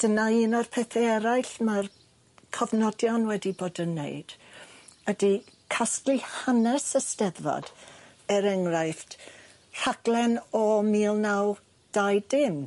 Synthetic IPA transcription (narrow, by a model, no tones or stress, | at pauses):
d̥ənaiːnɔrpʰɛːθɛɛɾajɬmar | kʰɔvnɔdjɔnwɛdiboːdənːḛɨd̥ | ədi | kʰastlihanɛsəstɛðvɔ̰d̥ | ɛɾɛŋrajθt | r̥aɡ̥lˠɛnɔmiːlˠnaw | d̥ajdɪm